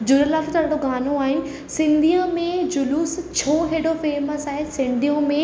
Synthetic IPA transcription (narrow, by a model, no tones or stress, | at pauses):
d͡ʑʊləlaːt̪t̪ʰɐɽ̤ɽoɡaːnoaːɦɪnɪ | sɪ̃nd̪ʱijãmẽd͡ʑʊluːst͡ɕʰoːɦeːɽofeːməsaːɦɪsɪ̃nd̪ʱijõmẽ